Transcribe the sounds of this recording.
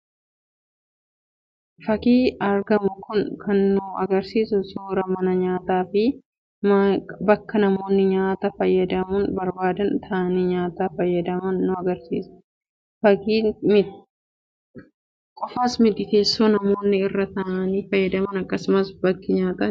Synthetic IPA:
fɐkiːɐɾɡɐmʊkʊnkʰɐnːʊɐɡɐɾsiːsʊsuːɾɐmɐnɐɲaːt̪aːfɪ | mbɐkːɐnɐmo̞ːnːɪɲaːt̪ɐfɐjːɐd̪ɐmʊnbɐɾbaːd̪ɐnt̪ʰɐɐniɲaːt̪aːfɐjːɐd̪ɐmɐnːʊɐɡɐɾsḭːsʊ̥ | fɐkiːm | kʼɔfaːsmɪd̪ɪt̪e̞ːsːoːnɐmo̞ːnːɪɪrːɐt̪ɐʔːniːfɐjːɐd̪ɐmɐnɐkːɐsʊmɐsbɐkːɪɲaːt̪ɐ

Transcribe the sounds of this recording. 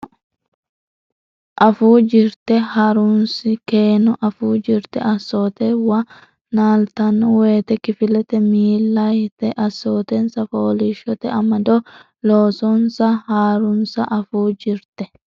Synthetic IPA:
ʔɐfuːd͡ʒɪɾt̪ɛhɐɾunsɪke̞ːnɔʔɐfuːd͡ʒɪɾt̪ɛʔɐsːoːt̪ɛwɐ | naːlt̪ɐnːɔwe̞ːt̪ɛkɪfɪlɛt̪ɛmiːlːɐjt̪ɛʔɐsːoːt̪ɛnsɐfoːlɪʃɔt̪ɛɐmɐd̪ɔ | loːsɔnsɐhaːɾʊnsɐʔɐfuːd͡ʒɪɾt̪ɛ

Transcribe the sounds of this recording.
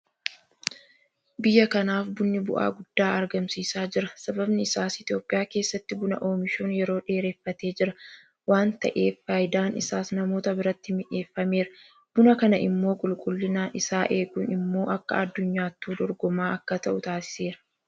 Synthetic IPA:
bɪjːɐkɐnaːfbʊnːɪbʊ̰ʔa̰ːɡʊd̪̥ːaːɐɾɡɐmsiːsaːd͡ʒɪɾɐsɐbɐbnɪɪsaːsɪt̪ɪjo̞ːpʼɪjaːke̞ːsːɐt̪ːɪbʊnɐ̰ʔo̞ːmɪʃoːnjɛɾo̞ːᶑe̞ːɾe̞ːfːɐt̪e̞ːd͡ʒɪɾɐ | waːnt̪ɐ̰ʔe̞ːfːaːjd̪aːnɪ̰saːsnɐmoːt̪ɐbɪɾɐt̪ːɪmɪᶑe̞ːfːɐme̞ːɾɐ | b̥ʊnɐkɐnɐʔɪ̰mːo̞ːkʼʊlkʼʊlːɪnaːnʔɪsaːʔe̞ːɡʊnɪmːo̞ːʔɐkːɐ̰ɐd̪ːʊɲːaːt̪ːuːd̪ɔɾɡɔmaːʔɐkːɐt̪ɐʔʊt̪aːsɪ̥se̞ːɾɐ̥

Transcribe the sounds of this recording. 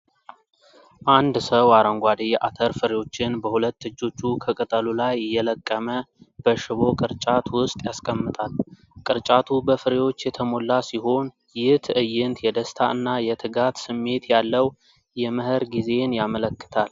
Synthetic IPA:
ʔand̪səwaɾəŋɡʷad̪ea̰t̪ʰəɾfɨɾewo̞t͡ʃːɪnbəhulət̪ːɨd͡ʒːo̞t͡ʃːukʰəkʼɨt̪ʼəlulajɪjːɛləkʼːəməb̥əʃɨβo̞kʼɨɾt͡ʃʼat̪wʊst̪ʼjaskʼəmːɨt̪ʼal | kʼɨɾt͡ʃʼat̪ʰubəfɨɾewo̞t͡ʃːjɛt̪ʰəmo̞lːasiho̞n | jɪt̪ɨjɪnt̪jɛd̪əst̪ʰaʔɨnːajɛt̪ʰɨɡat̪sɨmːe̞t̪jalːəw | jɛməɦɨɾɡize̞njamələkːɨ̥t̪ʰal

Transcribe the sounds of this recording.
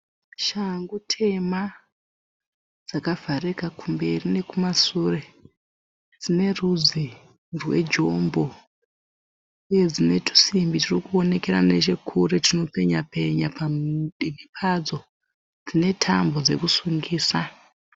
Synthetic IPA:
ʃaŋɡutʰe̞ma | d͡zakavʱarekakumbe̞rine̞kumasure̞ | d͡zine̞ruzi | rwe̞̰d͡ʒo̞mbo̞ | ujed͡zine̞tʰu̥simbitirikuo̞ne̞ke̞rane̞t͡ʃe̞kʰuretino̞pe̞ɲape̞ɲapamɗimipʰad͡zo̞ | d͡zine̞tʰambo̞d͡ze̞̰kusuŋɡiːsa

